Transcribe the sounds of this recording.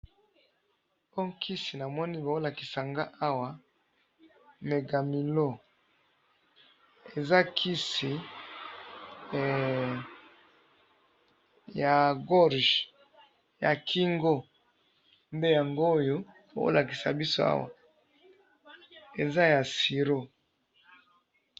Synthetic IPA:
po˦kʰi˦si˨na˨mwɔ˦ni˦bo˨o˦la˨ki̥˨sa˨ŋɡa˦ʔa˦wa˨ | me˨ɡa˨mi˨lo˦˨ | e˨za˦kʰi˦si˨ | ja˨ɡɔ˦ʁʒ | ja˨kʰi˦ŋɡo˦ | nde˦ja˨ŋɡoː˦jo˦ | o˨˦o̰˦la˨ki̥˨sa˨bi˦so˦a̰˦wa̰˨ | e˨za˦ja˨si˨ɾo˦

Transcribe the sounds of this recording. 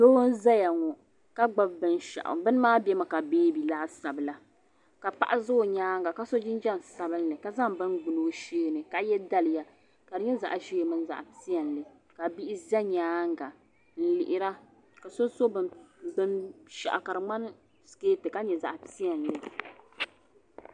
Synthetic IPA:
so˦n̩˦za˦ja˨ŋɔ˨ | ka˦ɡ͡ba˦bbɨ˦n˦ʃa̰˨ʔʊ̰˨bɨ˦n˦maː˦bɛ˦ma˨ka˨beː˦bi˨la˦sa˨bɨ˨la˦ | ka˨pa̰˦ʔa˦zʊ˦˨ɲaː˦ŋɡa˨ka˦so˦d͡ʒɪ˦n˦d͡ʒɛ˦n˨sa˦bɨ˦n˦lɨ˨ka˨za˦ŋbɨ˦nɡ͡bu˨no˨˦ʃeː˦˨nɨ˨ka˨˦jɛ˦da˦lɨ˨ja˨ | ka˨dɨ˨ɲɛ˦za̰˨ʔʒi˦˨mɨ˦n˦za̰˨ʔpi˦ɛ˨n˨lɨ˨ | ka˨bi˦ʔɪ˦zɛ˦ɲaː˦ŋ˦ɡa˨ | n̩˦lɪ˨ʔɪ˦ɾa˦ | ka˨so˦so˦bɨ˦bɨ˦nʃɛ̰˨ʔa˨ka˨ɾɨ˨ŋ͡ma˦n˦ | skeː˦tɨ˨ka˦ɲɛ˨za̰˨ʔpi˦ɛ˨n˨lɨ˨

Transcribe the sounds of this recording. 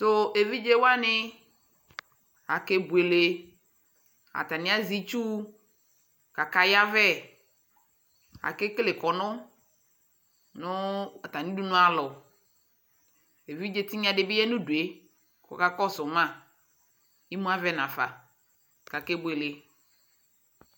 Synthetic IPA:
to˦e˨vi˦d͡ʒe˦wa˦nɪ˦ | a˨ke˦bu˨e˨le˨ | a̰˨t̪a˨nɪ̃˦a˦zi˦t͡ʃu˦ | ka˨ka˨ja˦vɛ˦ | a̰˨ke˦kle˨kɔ˨nʊ̃˦ | nʊ̃˦a˨t̪a˨nĩ˦du˦nʊ̃˦a˨lɔ˨ | e˨vi˦d͡ʒe˨t̪i˦ɲ˦a˨ɖe˨bi˦ɛ˦nũ˦du˨e˦ | kɔ̰˨ka˦kɔ˦sʊ˨mã˦˨ | i˦mũ˦a˦vɛ˦nã˨fa̰˨ | ka˨ke˦bu˨e˨le˨

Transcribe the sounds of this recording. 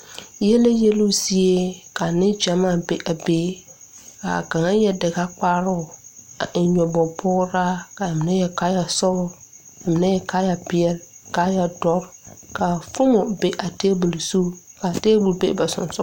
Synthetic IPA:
jɛ˦le˦je˦lu˦si˦e˦ka˨nɪ˦d͡ʒa˨maː˦˨be˨ʔa˨beː˨˦ka̰˨ka˨ŋa˦jɛ˦dɪ˨ɡa˦k͡paː˦ɾʊ˦˨a̰˨ʔɪ˨ɲɔ˨bɔ˨pʰʊː˦ɾa˦ka˨mɪ˨nɛ˦jɛ˨ka˦ja˨sɔ˦bʊ˦ | a˨mɪ˨na˦jɛ˦ka˦ja˨pɪ˦ɛ˦lka˦ja˨dɔ˦ɾka˨fʊ˦mo˨be˨ʔa˨teː˦bu˨lsu˦ka˨teː˦bu˨lbḛ˦ʔba˨sʊ̰˨nsʊ˦

